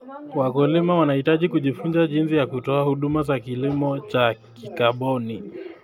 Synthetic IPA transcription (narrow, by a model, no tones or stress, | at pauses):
wakɔlimawanahitaʄikuʄifunzaʄinsijakutɔahuɗumazakilimɔt͡ʃa | kikaɓɔni